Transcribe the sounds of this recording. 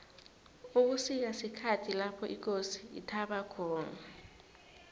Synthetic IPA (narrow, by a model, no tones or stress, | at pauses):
uk̬usik̬asikʰatʰilapʰɔʔik̬ʼosi̥ḭtʰaɓakʰɔːna